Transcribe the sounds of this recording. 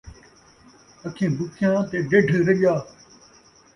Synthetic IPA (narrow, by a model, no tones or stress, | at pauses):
əkʰẽːbʊkʰɪjãːt̪eːɖeɖʱɾəɡjaː